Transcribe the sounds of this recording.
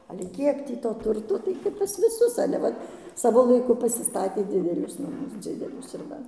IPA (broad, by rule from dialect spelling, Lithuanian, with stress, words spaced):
ɐlʲɛ ˈkʲiɛk tʲiː toː ˈtʊrtoː tɐɪ kɐp pɐs ʋʲɪˈsʊs ɐlʲɛ ˈʋɐt ˈsɑːʋoː lˠɐɪˈkʊ pɐsʲɪˈstɑːtʲeː ˈdʲɪdʲɛlʲʊs nɐˈmʊs ˈd͡zʲɪdʲɛlʲʊs ɪr ˈʋɐ